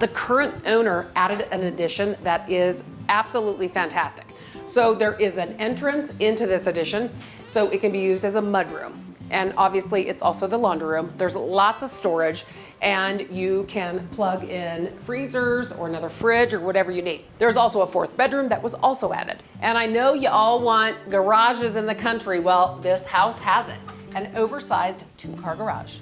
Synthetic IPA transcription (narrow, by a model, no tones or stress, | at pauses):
ðɨkʰɜ˞ɨ̃ntʔõʊ̃nə˞ʔæɾɨɾɨ̃nɨdɪʃɨ̃nðɨɾɪzæb̥səlutˡlifæ̃ntʰæstɨ̥k | soʊðə˞ʔɪzɨ̃nɛ̃nt͡ʃɹ̥ɨ̃nsɪ̃ntʉðɪsɨdɪʃɨ̃n | soʊʔɨt̚kɨ̃nbijʉzdɨzəmʌd̚ɹʉ̰̃m | ʔɨ̃nɑbviɨsliʔɨtsɔ̰lˠsoʊðəlɑ̃ndə˞ɹʉ̃mðə˞zlɑtsʌv̥stɔɹɪd͡ʒ | ʔɨ̃njɨkʰɨ̃npʰl̥ʌɡɪ̃nfɹizə˞zə̰˞ənʌðə˞fɹɪd͡ʒə˞wʌɾɛvə˞jɨnid̪̚ðə˞zɔlˠsoʊəfɔɹθb̥ɛdɹʉ̃mðɨʔ̚wʌzɔlˠsoʊæ̰ɾɨ̰d̥ | ʔɨ̃ɾ̃aɪnoʊjɨʔɔlˠwɑ̃nɡ̥ə˞ɑʒɨzɨ̃nðɨkʰʌ̃nt͡ʃɹ̥iwɛlˠðɪshaʊshæzɨ̰nt | ɨ̃noʊvə˞saɪz | tʰɨkʰɑɹɡə˞ɑ̰ʒ̥